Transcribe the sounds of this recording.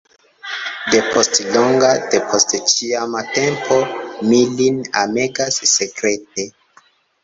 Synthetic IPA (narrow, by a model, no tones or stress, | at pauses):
de̞pʰostloŋɡad̥epʰostt͡ʃiamatẽmpʰomilinameɡasːekɾet̚e